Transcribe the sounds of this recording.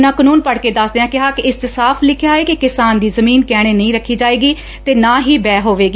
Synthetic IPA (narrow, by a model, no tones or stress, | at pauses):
nãːkənuːnpəɽkeːd̪əsd̪eːãːkɪɦaːkɪɪst͡ʃəsaːpʰlɪkʰjaːeːkɪkɪsaːnd̪iːzəmiːnkɛːɽ̃eːnəĩːɾəkʰːiːd͡ʒaːeːɡiː | t̪eːnãːɦiːbɛːɦoːʋeːɡi